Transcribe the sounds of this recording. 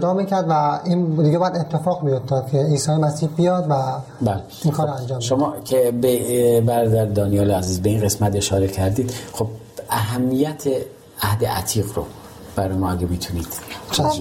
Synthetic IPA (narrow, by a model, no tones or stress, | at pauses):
d̪ɒːmicʰæɾd̪væind̪iːɡebɒːjæd̪et̪ʰːefɒːɣmijoft̪ɒːd̪̚kʰeiːsɒːjemæsiːɾbijɒd̪væbæle | iːnkʰɒːɾɾɔænd͡ʒɒːmʃomɒːkʰebebæɾd̪æɾd̪ɒːnijɒːleæziːzbeinɢe̞smæt̪e̞ʃɒːɾecʰæɾd̪iːd̪̥xob̚ | æɦæmːijæt̪ʰe | æhd̪ḛʔæ̰t̪ʰiːɣɾo̰ | b̥æɾɔːjmɒæɡemiːt̪ʰuniːd̪̥